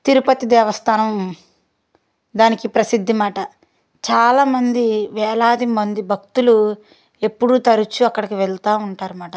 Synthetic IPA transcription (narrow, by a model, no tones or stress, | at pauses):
t̪iɾupɐt̪id̪ɛːʋɐst̪ʰaːnɐm | d̪aːnikipɾɐsid̪ʱːimaːʈɐ | t͡ʃaːlaːmɐnd̪iʋɛːɭaːd̪imɐnd̪ibʱɐk̚t̪ulu | e̞pːuɽut̪ɐɾut͡ʃuɐkːɐɽɐkiʋɛɭt̪aːuɳʈaːɾumaːʈɐ